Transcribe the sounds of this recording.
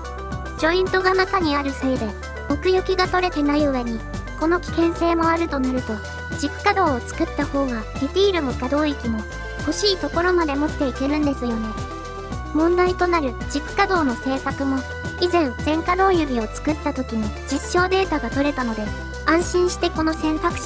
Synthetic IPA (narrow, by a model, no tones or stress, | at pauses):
d͡ʑo̞ĩnt̪o̞ɡanakaɲ̟iaɾɯ̟se̞ːd̪e̞ | o̞kɯ̟jokʲiɡat̪o̞ɾe̞t̪e̞naioeɲ̟i | ko̞no̞kʲi̥kẽ̞ɰ̃se̞ːmo̞aɾɯ̟t̪o̞naɾɯ̟t̪o̞ | d͡ʑikkːad̪o̞ːt͡sɨ̥kɯ̟t̪ːaho̞ːɡaɾʲit̪iːɾɯ̟mokad̪o̞ːikʲimo̞ | ho̞ɕiːt̪o̞ko̞ɾo̞mad̪e̞mo̞t̪ːe̞ike̞ɾɯ̟̃nd̪e̞sɨjo̞ne̞ | mõ̞nd̪ait̪o̞naɾɯ̟d͡ʑikkːad̪o̞ːno̞se̞ːkakɯ̟mo̞ | izẽ̞nd͡zẽ̞ŋkad̪o̞ːjɯbʲio̞t͡sɨ̥kɯ̟t̪ːat̪o̞kʲiɲ̟id͡ʑiɕːo̞ːd̪e̞ːt̪aɡat̪o̞ɾe̞t̪ano̞d̪e̞ | ãɰ̃ɕĩɰ̃ɕi̥t̪e̞ko̞no̞sẽ̞nt̪akɯ̥ɕ